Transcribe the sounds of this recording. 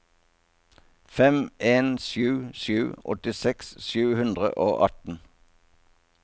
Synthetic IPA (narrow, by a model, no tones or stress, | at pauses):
fɛmeːnsjʉːʃjʉːɔ̰t̪ɪsɛksʃʉːhʉnd̪ʁə̰ʔoːʔɑt̪n̩